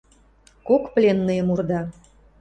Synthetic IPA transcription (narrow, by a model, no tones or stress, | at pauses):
kokplʲenːəjəmurd̪ɑ